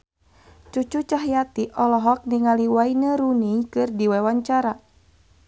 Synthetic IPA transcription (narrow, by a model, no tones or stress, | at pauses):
t͡ʃut͡ʃut͡ʃaɦjat̪iʔɔlɔɦɔk̚niŋaliwainəɾuniŋkɨrdiwɛwaɲt͡ʃaɾa